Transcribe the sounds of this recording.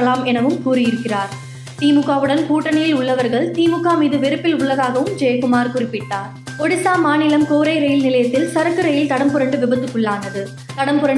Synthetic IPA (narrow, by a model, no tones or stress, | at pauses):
ɐlaːmɛnɐʋɯmkuːɾɪjɪɾɯkːɪraːɾ | t̪iːmɯkːaːʋɯɽɐnkuːʈːɐnɐjɪlʊɭːɐʋɐɾɣɐɭt̪iːmɯkːaːmiːðɯʋɪɾɯpːɪlʊɭːɐɣaːɣɐʋɯmd͡ʒeːjɐkɯmaːɾkʊrɪpːɪʈːaːɾ | ɔɽɪsaːmːaːnɪlɐmkoːɾɐɪɾɐjɪlnɪlɐjɐt̪ːɪlsɐɾɐkːɯɾɐjɪlt̪ɐɽɐmpɯɾɐɳɖɯʋɪbɐt̪ːɯkːɯɭːaːnɐðɯ | t̪ɐɽɐmbɯɾɐɳ